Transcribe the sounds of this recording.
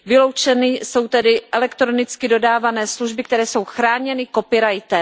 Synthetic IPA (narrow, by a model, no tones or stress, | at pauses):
vɪlo̞wt͡ʃɛnɪso̞wt̪ɛdɪʔɛlɛkt̪ɾo̞nɪt͡skɪdo̞daːvanɛːsluʒbɪkt̪ɛɾɛːso̞wxɾaːɲɛnɪko̞pɪɾajt̪ɛ